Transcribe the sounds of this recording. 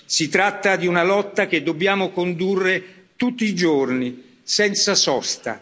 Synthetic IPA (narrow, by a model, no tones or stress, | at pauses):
sit̪ɾat̪ːad̪iunalɔt̪ːak̟ed̪ːobːjaːmokond̪urːe | t̪ut̪ːiːd͡ʒorni | sɛnt̪sasɔst̪a̰